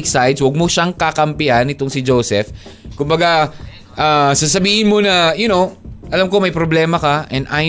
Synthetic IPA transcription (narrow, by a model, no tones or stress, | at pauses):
ksajd̪swɐɡ̚moʃaŋkakɐmpɪʔanːɪt̪oŋsɪd͡ʒowsɛf | kʊmbɐɡa | ʔaːsas̬ɐbiːhɪnmonɐjʊnowʔɐlamkomɐjpɾoblɛːmɐkɐʔɛnʔaj